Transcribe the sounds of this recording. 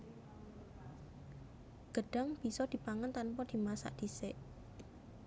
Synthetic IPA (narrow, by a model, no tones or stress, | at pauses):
ɡ̥əɖ̥a̤ŋb̥isɔd̪̥i̤paŋant̪anpɔd̪̥i̤masa̰ʔd̪̥iseʔ